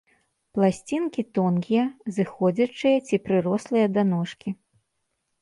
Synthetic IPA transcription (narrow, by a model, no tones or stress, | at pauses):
plˠasʲt͡sʲinkʲit̪ɔnkʲijɐzɨxɔd͡zʲɐt͡ʂɨjɐt͡sʲipɾɨɾɔslˠɨjɐd̪anɔʂkʲi